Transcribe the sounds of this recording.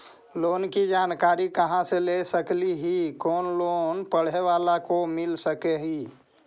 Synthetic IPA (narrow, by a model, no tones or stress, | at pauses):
loːnkid͡ʒaːnkaːɾikəɦãselesəkliɦikɔːnloːnpəɽ̤eʋalakomɪlsəkeɦi